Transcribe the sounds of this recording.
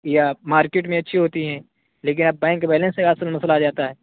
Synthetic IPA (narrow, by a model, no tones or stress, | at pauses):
jamaːɾkeːʈmẽɐtːʃʰiɦoːt̪iɦɛ̃ː | leːk̬ɪnɐb̚bɛ̃ːŋkːbɛːlɛ̃nsekaɐsəlmɐslaːd͡ʒaːt̪aɦɛː